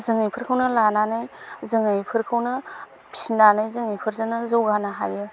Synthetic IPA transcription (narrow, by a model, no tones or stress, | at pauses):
zɯŋɯjpʰɯɾkʰɯwnɐlananɯjzɯŋɯjpʰɯɾkʰɯwnɐ | pʰi̥sinanɯjzɯŋɯjpʰɯɾzɯnɐzɯwɡanaɦajɯ